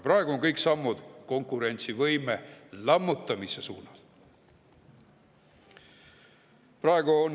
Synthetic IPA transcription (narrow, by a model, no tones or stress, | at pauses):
prɑeɡ̥uo̞ŋkɤjksɑmːud̪̥ko̞ŋkːˑuɾe̞nʲt̪sivɤjmelɑmːut̪ˑːɑmise̞suːnɑl | prɑe̞ɡ̥uon